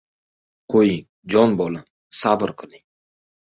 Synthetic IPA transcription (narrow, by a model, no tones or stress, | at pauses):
qʰojɪŋ | d͡ʒɒnbɒlˠɪm | sabɨɾqʰɨlɪŋ